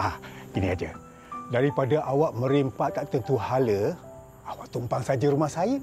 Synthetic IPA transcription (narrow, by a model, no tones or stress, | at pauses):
akiniad͡ʒa̰ | daɾipadaʔawaʔmə̃ɾimpaʔt̪aʔt̪ənt̪uhalə | awaʔt̪umpaŋsad͡ʒəɾumahsajə